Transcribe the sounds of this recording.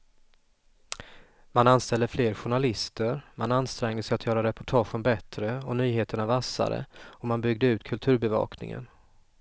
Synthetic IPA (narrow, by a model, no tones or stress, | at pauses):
mananst̪ɛld̪əfleːɾɧʊɳalɪst̪əɾmananst̪ɾɛŋd̪əsɛjat̪ʰjœːɾaɾɛpʊʈʰɑːɧənbɛt̪ɾəɔnyːɦeːt̪əɳavasːa̰ɾə̰ɔmanbʏɡ̚d̪əʉ̟ːt̪kʰɵlt̪ʰʉ̟ːɾbɛvɑ̰ːknɪ̰ŋə̰n